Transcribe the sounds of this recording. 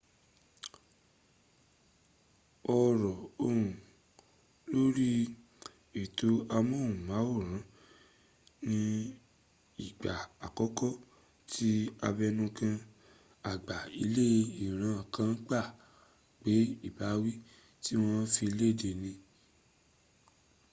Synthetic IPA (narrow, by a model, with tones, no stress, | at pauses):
ɔ˧ɾɔ˨o˧ɾũ˨ | lo˦ɾi˦ | e˨to˧˦a˧mɔ̃˦˨ũ˨mã˨˦wo˦˨ɾ̃ã˨˦ | nĩ˧˦ | i˦˨ɡ͡ba˨a˨kɔ˨˦kɔ˦˨ | tʰi˦a˧bɛ˧nũ˧kã˧ | a˨ɡ͡ba˨i˧˦le˦˧i˨ɾ̃ã˨˦˨kã˦n̩˦k͡pa˦˨ | k͡pe˨˦i˦˨ba˨˦wi˦ | ti˦w̃ɔ̃˦˧˦fi˧i˧le˦˨de˧˨nĩ˧